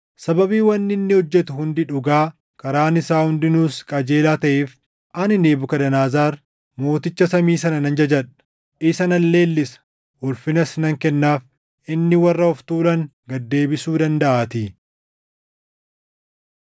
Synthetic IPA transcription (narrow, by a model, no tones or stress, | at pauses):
sɐbɐbiːwɐnːɪnːɪhɔd͡ʒːɛt̪ʊhʊnd̪ɪᶑʊɡaː | kɐɾaːnɪsaːhʊnd̪ɪnuːskʼɐd͡ʒe̞ːlaːt̪ɐʔeːf | ʔɐnɪneːbʊkɐd̪ɐnaːzaːɾ | mo̞ːt̪ɪt͡ʃːɐsɐmiːsɐnɐnɐnd͡ʒɐd͡ʒɐᶑɐ̥ | ʔɪsɐnɐlːe̞ːlːɪsɐ̥ | wʊlfɪnɐsnɐŋkɛnːaːf | ʔɪnːɪwɐrːɐɔft̪uːlɐŋ | ɡɐd̪ːe̞ːbɪsuːd̪ɐnd̪ɐʔaːt̪i